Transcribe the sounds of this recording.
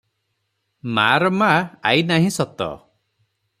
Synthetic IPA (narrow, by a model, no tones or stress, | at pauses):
maɾɔmaa̰jnaɦĩsɔt̪ɔ̰